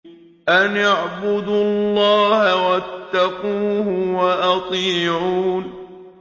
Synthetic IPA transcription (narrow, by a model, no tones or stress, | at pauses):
ʔanaʕbʊd̪uɑlːɑːhawat̪ːɑquːhʊwaʔɑt̪ˤiːʕuːn